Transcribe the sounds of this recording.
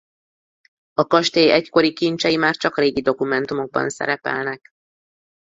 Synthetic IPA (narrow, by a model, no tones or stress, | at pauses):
ɒkɒʃt̪eːjɛcko̞ɾikint͡ʃɛjimaːrt͡ʃɒkreːɡid̪o̞kumɛnt̪umo̞ɡ̚bɒ̰nsɛ̰ɾɛpɛ̰lnɛk